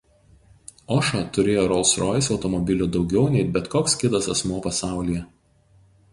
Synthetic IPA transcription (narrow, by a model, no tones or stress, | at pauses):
ɔʃɐt̪ʊɾʲeːjoːɾɔlˠsɾɔjsɒʊt̪ɔmɔbʲɪlʲud̪ɒʊɡʲɛʊnʲɛɪbʲɛt̪koːkskʲɪt̪ɐsɐsmuːpɐsɑˑʊlʲijɛ